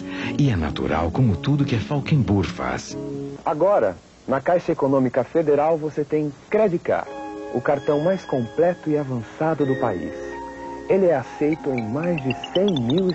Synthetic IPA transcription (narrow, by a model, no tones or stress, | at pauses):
ɪɛna̰t̪ṵɾa̰wkõmʊt̪ud̪ʊkɪɛfawkẽbuɾfa̰saɡɔɾɐ̰ | nɐkajʃɐekonõmikɐfed̪eɾawvoset̪ẽj̃kɾed͡ʒika̰ɾʊkaɾt̪ɐ̃w̃majskõmplɛt̪ʊɪavɐ̃sad̪ʊd̪ʊpaḭselɪɛasejt̪ʊẽj̃majzd͡ʒɪsẽj̃miw